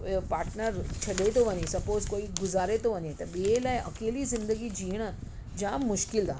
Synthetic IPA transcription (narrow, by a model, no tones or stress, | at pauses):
paːɾʈnəɾt͡ɕʰɐɗet̪ʰoʋɐɲesɐpoːzkoːiɡʊzaːɾet̪ʰoʋɐɲet̪ɐɓielaːɪʔɐkeːlizɪ̃nd̪əɡid͡ʑiːəɽ̃ | d͡ʑãːmʊʃkɪlt̪ʰaː